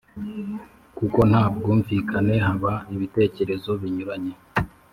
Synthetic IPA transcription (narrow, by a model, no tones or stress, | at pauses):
kuko̞n̥haːb̚ɡuɱvikʰane̞ɦaβaiβite̞ːce̞ɾe̞zo̞βiɲuɾaɲe̞